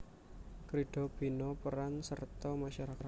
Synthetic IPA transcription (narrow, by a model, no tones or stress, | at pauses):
kɾiɖ̥ɔ̤b̥i̤nɔpəɾansərt̪ɔmaʃaɾaka